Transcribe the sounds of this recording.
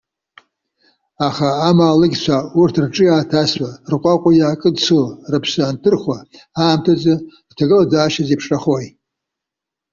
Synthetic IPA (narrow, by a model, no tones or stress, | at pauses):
aχaːmaːlɨɡʲt͡ʃʷʰaurtʰrʈ͡ʂʼɨjaːtʰasʷarqʷʼaqʷʼajaːkʼɨdsorɨpʰsaːntʰɨrχʷwa | aːmtʰad͡zɨdtʰaɡɨlad͡zaːʃazipʰʂaχoj